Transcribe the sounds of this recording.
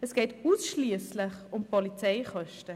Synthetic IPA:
ɛsɡ̥eːtuːsʃliəslɪχʊmpɔlit͡sɛɪχœʃtə

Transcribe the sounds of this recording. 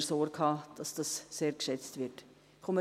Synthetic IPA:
soːɾkʰɑːd̥ɑsd̥ɑsːeːɾkʃɛt͡stvɪɾt | kʰomə

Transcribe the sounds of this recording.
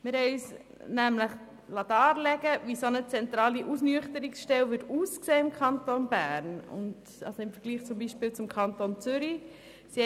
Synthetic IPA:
mɪɾɦɛɪyːs | næmləχ | lɑdɑːɾlɛɡəʋisonət͡sɛntɾɑːliʔusnyəχtəɾiksʃtɛlʋɪtuːskseːɪmkʰɑntonbæːɾnʊ̰nd | ɑ̰lsoɪmfəɾɡ̥liːχt͡sʊmbiːʃpɪːlt͡sʊmkʰɑntont͡sʏɾi | si

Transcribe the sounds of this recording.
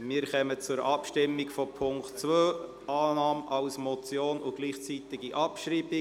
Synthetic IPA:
miːɾχɛmət͡sʊɾʔɑpʃtɪmːɪɡfɔpʰʊŋktt͡svøː | ʔaːnɑːmɑʊsmɔt͡sjoːnʊɡ̥liːχt͡sit̪ɪɡiʔɑpʃriːbi

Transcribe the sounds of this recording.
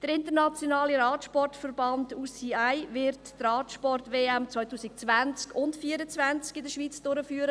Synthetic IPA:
d̥əɾɪntəɾnɑt͡sjonɑːliɾɑːtʃpɔrtfərbɑnduːsiːaɪvɪɾttrɑːtʃpɔrtveːæmt͡svɔʏtuːsɪk̚t͡svænt͡skʊntfiːəɾət͡svænt͡skɪdəʃʋiːt͡sd̥ʊɾəfyːəɾə

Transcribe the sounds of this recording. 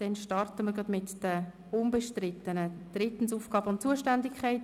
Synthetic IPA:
d̥ɛnʃtɑrtəməɾɡɑdmɪtd̥ə | ʊnbəʃtrɪt̪ːənəd̥rɪt̪ən̩suːfɡ̥ɑːbəʊnt̚t͡suəʃtændɪkʰχaɪt

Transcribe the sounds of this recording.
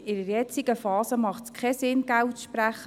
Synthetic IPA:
ɪɾəɾjɛt͡siɡ̥əfɑːzəmɑχtskʰɛsɪnɡæwtʃpɾæχːə

